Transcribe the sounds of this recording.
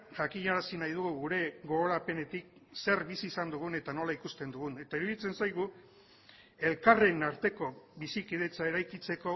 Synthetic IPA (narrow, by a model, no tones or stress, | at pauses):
ʝakiɲaɾasinajð̞uɣuɣuɾe̞ɡo̞ɣo̞ɾape̞ne̞t̪ik̚se̞rβisiːsand̪uɣ̞une̞t̪ano̞laikust̪e̞nd̪uɣune̞t̪aiɾuðit͡se̞nsajɣu | e̞lkare̞naɾt̪e̞ko̞βisikið̞e̞t͡sae̞ɾajkit͡se̞ko̞